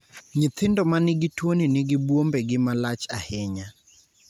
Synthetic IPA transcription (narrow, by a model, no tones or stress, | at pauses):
ɲɪt̪ʰɪndɔmanɪɡɪtwoninɪɡɪbwombɛɡɪmalat͡ʃahɛɲa